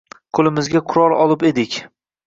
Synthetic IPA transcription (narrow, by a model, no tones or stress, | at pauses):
qʰolˠɪmɪzɡʲaqʰʊɾɒlˠɒlˠɪpe̞d̪ɪkʲ